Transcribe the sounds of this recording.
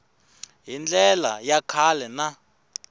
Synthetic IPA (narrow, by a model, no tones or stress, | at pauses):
ɦind͡ɮɛla̰jakʰalɛna